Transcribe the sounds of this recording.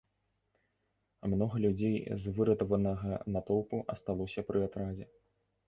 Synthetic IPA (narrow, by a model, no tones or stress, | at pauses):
mnɔɣɐlʲud͡zʲejzvɨɾɐt̪ɐvɐnɐɣɐnɐt̪ɔw̪ˠpuʔɐst̪alˠɔsʲɐpɾʔɨat̪ɾad͡zʲɛ